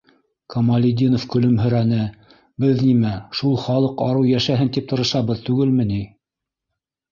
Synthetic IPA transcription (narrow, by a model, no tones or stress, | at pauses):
kɐmɐlʲid̪ʲinofkɵ̆lɵmɦɵ̆ɾænɘ | bɘðnimæʃulˠχɑlˠɤqɑɾɤwjæʃæɦɘnt̪ip̚t̪ɤ̆ɾɤ̆ʃɑβɤðt̪ʉɡɘlmɘni